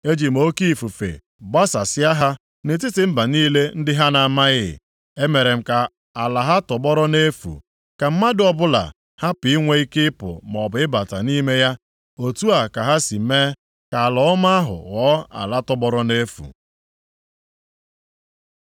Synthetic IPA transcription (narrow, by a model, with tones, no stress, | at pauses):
e˦d͡ʒi˨m̩˨o˦ki˦˨fu˨fḛ˨ | ba˦sa˨sɪ˦a˦ɦa˦ | ne˨t̬i˦tɪ˨m̩˦ba˨niː˦le˦n̩˦dɪ˦ɦa˦na˨ma˦ɣɪ̰˦˨ | e˦me˨ɾe˨m̩˦ka˨ | a˨la˨ɦa˦tɔ˨bɔ˦ɾɔ˦ne˦fṵ˨ | ka˨m̩˦ma˦dɪ˨ɔ˨bʊ˦la̰˨ | ha˦pɪ˨i˦ŋʷe˦i˦kɪ˦ɪ˦pʊ̰˨m˨ɔ˨bʊ˨ɪ˦ba˨ta̰˨ni˦me˦ja˦ | o˨tu˦a˨ka˨ɦa˦si˨˦me˦ | ka˨a˨lɔ˨˦ʊ˦ma˦ɦʊ̰˨ɣɔː˦a̰˨la˦tɔ˨bɔ˦ɾɔ˦ne˦fṵ˨